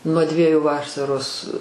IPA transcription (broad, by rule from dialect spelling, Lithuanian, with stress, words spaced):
nuɔ ˈdʲʋʲiɛjʊ ˈʋɑːˈsɑːroːs